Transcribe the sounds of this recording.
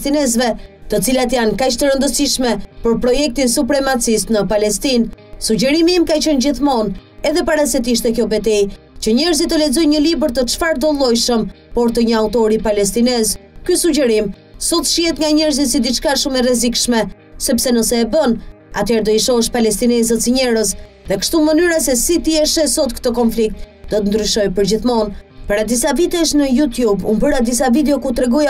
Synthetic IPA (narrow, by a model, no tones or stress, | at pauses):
st̪inɛzvɛt̪ət͡silat̪jankat͡ʃt̪əɾənd̪əsiʃmɛpəɾpɾɔjɛk̚t̪insupɾɛmat͡sist̪nəpalɛst̪insuɟɛɾimimkat͡ʃənd͡ʑiθmɔnɛðɛpaɾasɛt̪iʃt̪ɛkjɔbɛt̪̬ɛj | t͡ɕəɲɛɾzit̪əlɛd͡zɔjɲəlibəɾt̪ət͡ʃfaɾd̪ɔlˠɔjʃəm | pɔɾt̪əɲəawt̪ɔɾipalɛs̬t̪inɛzkysuɟɛɾim | sɔt̪ʃiɛt̪ŋɡaɲɛɾzisid̪it͡ʃkaʃumɛrɛzikʃmɛ | sɛpsɛnəsɛːbən | a̰t̪ɛɾd̪ɔiʃɔəʃpalɛst̪inɛzət̪siɲɛɾəs | ðɛkə̥ʃt̪umənyɾasɛsit̪iɛʃɛsɔt̪kə̥t̪ɔkɔnflik̚t̪̚d̪ɔt̪ənd̪ɾyʃɔjpəɾd͡ʑiθmɔnpəɾad̪isavit̪ɛʃ̬nəjut̪jubumbəɾad̪is̬avid̪ɛɔkut̪ɾɛɡɔja